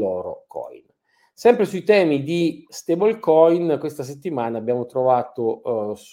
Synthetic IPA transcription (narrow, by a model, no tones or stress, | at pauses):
ɔːɾo̰kʰɔ̰jn | sɛmpɾesuit̪ɛːmid̪ist̪ebolkɔjnkwest̪as̬et̪ːimaːnaːbːjaːmot̪ɾovaːt̪os